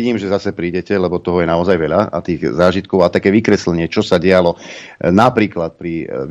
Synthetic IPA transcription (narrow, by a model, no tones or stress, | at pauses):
ɟiːmʒɛzasɛpɾiːɟɛcɛlɛbɔt̪ɔɦɔjɛnaɔzajʋɛʎaa̰t̪iːɣzaːʒit̪̚kɔʊat̪akɛːʋikɾɛslɛɲɪɛt͡ʃɔsaɟɛalɔnapɾiːklat̪̚pɾi